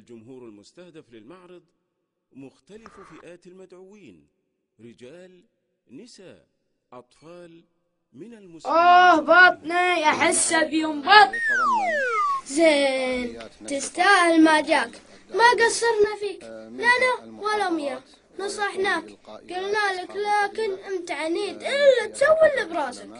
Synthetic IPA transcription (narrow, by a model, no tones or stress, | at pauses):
ald͡ʒʊmhuːɾalmʊst̪ahd̪aflɪlmaʕɾɨd̪ˤ | mʊxt̪alɪffɪʔaːt̪ɪlmad̪ʕʊwiːn | ɾɪd͡ʒaːl | nɪsaːʔ | ʔɑt̪ˤfɑːl | ʔohbɑːt̪ˤniʔaħɪsːabjʊmbɑːt̪̚ˤ | zeːnt̪ɪst̪aːhɪlmaːd͡ʒaːk | maɡasːɑɾˤnafiːklanawalamja | nɨsˤɑħnaːkɡ̥alnalaklaːkɪnʔɪnt̪aʕaniːt̪ʔɪlːat̪sawːɪlːɪbɾˤɑːzak